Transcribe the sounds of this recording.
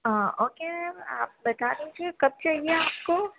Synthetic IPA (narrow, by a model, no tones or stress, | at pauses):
əoːkemɛ̃a̰ːp̚bɐt̪aːɾeɦĩt͡ʃʰekɐb̚t͡ʃaːɦieaːp̚ko